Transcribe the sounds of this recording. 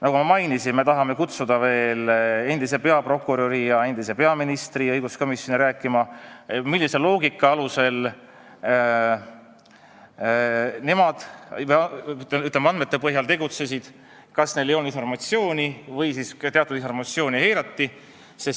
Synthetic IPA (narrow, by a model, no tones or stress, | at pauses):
nɑɡumɑmɑjnisime̞t̪ɑɦɑme̞kut̪sud̪̥ɑve̞ːle̞nd̪ise̞pe̞ɑpɾo̞kːˑuɾoɾijɑe̞nd̪ise̞pe̞ɑminist̪riɤjɡusko̞misjo̞niɾæːkːˑimɑmilːise̞lo̞ːɡ̥ikːˑɑɑluse̞l | ne̞mɑd̪̥jyt̪lemɑnme̞t̪ːepɤɦjɑlt̪e̞ɡ̥ut̪se̞sid̪̥ | kɑsne̞jlejo̞ninfo̞rmɑt̪sio̞ːnʲivɤjsist̪e̞ɑt̪ːˑud̪info̞rmɑt̪sio̞ːnihe̞jɾɑt̪ːi | sis